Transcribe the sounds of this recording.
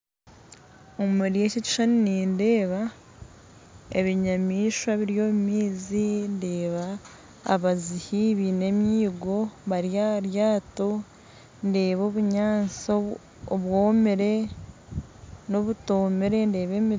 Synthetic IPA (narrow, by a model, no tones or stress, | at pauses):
omumeɾiececi̥ʃaniniːnde̞ːβa | ḛβiɲamiːʃwaβiɾjo̞ːmimiːzinde̞ːβa̰ː | βazihiβine̞mjiːɡo̞βaɾjaɾjaːto̞ | nde̞ːβo̞βuɲaːnt͡soː | βwoːmeɾe̞ | no̞βuto̞ːmeɾe̞nde̞ːβe̞mi